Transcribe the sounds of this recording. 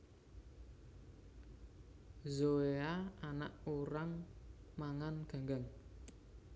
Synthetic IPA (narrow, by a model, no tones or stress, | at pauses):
zoeaanaʔuɾaŋ | maŋanɡ̥a̤ŋɡaŋ